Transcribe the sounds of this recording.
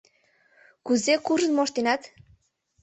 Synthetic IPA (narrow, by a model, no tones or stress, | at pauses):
kuzekuʒə̆nmoʃt̪enɑt̪